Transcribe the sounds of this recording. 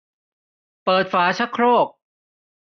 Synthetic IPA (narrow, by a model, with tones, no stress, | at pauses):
pɤː˨˩t̪̚faː˩˦t͡ɕʰa˦˥kʰːɾoː˥˩k̚